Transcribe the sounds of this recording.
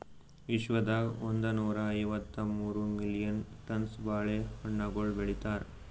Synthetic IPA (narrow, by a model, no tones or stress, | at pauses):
ʋiʃʋɐd̪aond̪ɐnuːɾɐːjʋɐt̪ːɐmuːɾumilijɐnʈɐnsbaːɭehɐɳːɐɡoɭbeɭit̪aːɾ